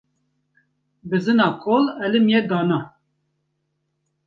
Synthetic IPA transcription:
bɨzɨnɑːkʰolɛlɨmjɛd̪ɑːnɑ

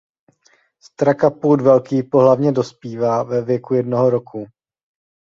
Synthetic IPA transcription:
st̪ɾakapuːdvɛlkiːpoɦlavɲɛdo̞spiːvaːvɛvjɛkujɛdnoɦoɾo̞kʰu

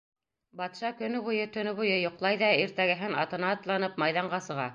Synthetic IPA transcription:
bɑt̪ʃɑkɵ̆nɵβujɤt̪ɵ̆nɵβujɤjŏqlˠɑjðɑiɾt̪æɡɘ̆ɦɘnɑt̪ɤ̆nɑːt̪lˠɑnɤpmɑjðɑɴɢɑsɤ̆ʁɑ̰

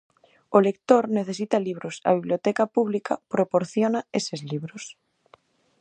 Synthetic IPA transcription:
olek̚t̪oɾneθes̬it̪aliβ̞ɾosa̰βiβljot̪ɛkapuβlikʰapɾopoɾθjonaesezliβɾos

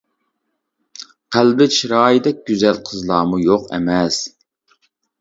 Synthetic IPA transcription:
qʰælbɪt͡ʃʰiɾɑːjid̪ɛk̚ʲɡ̥ʲyzɛlqʰəzlˠɑːmujoqɛ̰mɛs

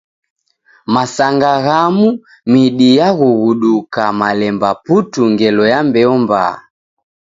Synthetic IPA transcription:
masaŋɡaɣamu | miɗijaɣuɣuɗukamalɛmbaputuŋɡɛlɔjambɛɔmba̰

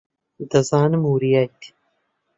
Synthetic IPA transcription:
d̪ɐzaːnɨmuːɾijajt̪i̥

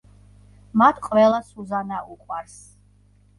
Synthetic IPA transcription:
mat̪ʰqʼwɛlˠasuzanauqʼwaɾs

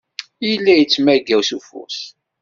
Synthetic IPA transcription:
ilːæjət͡sːmæɡæwsufṵs

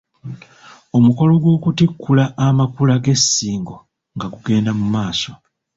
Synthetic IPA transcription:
o̞muko̞lo̞ɡwo̞ːkutikʰːulaʔːmakulaɡe̞sːiːŋɡo̞ | ŋɡaɡuɡe̞ːndamumaːso̞

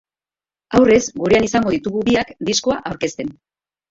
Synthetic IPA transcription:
awre̞zɡuɾe̞anisaŋɡo̞ð̞it̪uɣuβiakd̪isko̞aʔawɾke̞st̪e̞n

